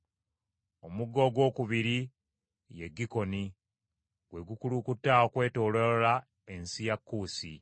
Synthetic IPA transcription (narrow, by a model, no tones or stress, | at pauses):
o̞muɡːo̞ːɡwo̞ːkuβiɾi | jeɡːiko̞ni | ɡwe̞ɡukulukutːaokwe̞ːto̞ːlola | e̞nsijakːuːsi